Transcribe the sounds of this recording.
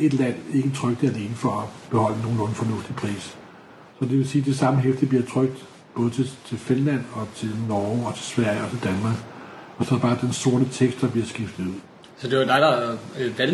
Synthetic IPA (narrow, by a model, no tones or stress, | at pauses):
e̝d̥læn̰e̝ɡ̥ət͡sʰʁœɡ̥d̥əæle̝ːnəfɒ̽ɒb̥e̝hɒ̽l̰əno̝ːnːo̝ːn̩fɒ̽nɔ̽fd̥ipʰʁḭːs | sɒ̽d̥e̝ʋe̝siːd̥e̝sɑ̈məɦefd̥ib̥liɐt͡sʰʁœɡ̥̚d̥ | b̥ɔ̽ːð̞̩ˠt͡sʰe̝t͡sʰe̝lfe̝nlæn̰ɒ̽t͡sʰe̝lnɒːɒ̽t͡sʰe̝sʋæɐ̰jəɒ̽t͡sʰe̝ld̥ænmɑ̈ːɡ̥ɒ̽sɒ̥̽bɑ̈ːd̥enso̝ɐnət͡sʰeɡ̥sd̥d̥ɑ̈b̥liɐsɡ̥ifd̥ð̩ˠuð̰ˠ | sɒd̥e̝ʋd̥ɑ̈ɪd̥ɑʋæl